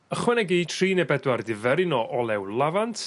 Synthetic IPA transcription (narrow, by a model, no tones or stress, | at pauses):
əχwɛnɛɡiːtʰriːnebɛdwardɪvɛɾɪnɔʔɔlˠɛwlˠavantʰ